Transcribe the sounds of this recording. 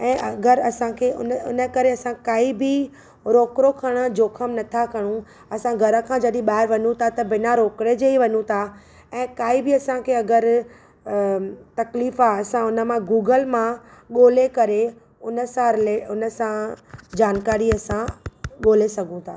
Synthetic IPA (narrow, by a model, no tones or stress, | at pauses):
ɛ̃ːʔɐɡəɾɐsãkʰeːʊ̰nʊ̰nəkɐɾeɐsãkaːibɪ | ɾoːkɾokʰɐɽ̃ə̆d͡ʑoːkʰəmnɐt̪ʰakɐɽ̃ũ | ɐsãɡʱɐɾə̆kʰãd͡ʑɐɗĩɓaːɦɪɾʋɐɲũt̪ʰat̪ɐbɪnaɾoːkɾed͡ʑeɦiʋɐɲũt̪ʰa | ɛ̃ːkaːibɪɐsãkʰeːɐɡəɾ | t̪ɐkliːfaːɐsãʊnə̆mãɡuːɡəlmãɠoːlekɐɾe | ʊnə̆sãɾɪleʊnə̆sãd͡ʑaːnkaːɾiɐsãɠoːlesɐɡʱũt̪ʰaː